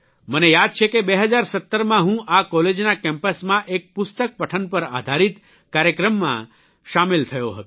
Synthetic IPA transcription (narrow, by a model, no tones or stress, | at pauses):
mənejad̪̚t͡ʃʰekebeɦəd͡ʒaɾsət̪ːəɾmãɦũʔakɔled͡ʒnakɛ̃mpəsmãʔek̚pʊst̪ək̚pəʈʰənpəɾa̰d̪ʱaɾit̪ | kaɾjəkɾəmːã̰ | ʃamilt̪ʰəjoɦət̪ũ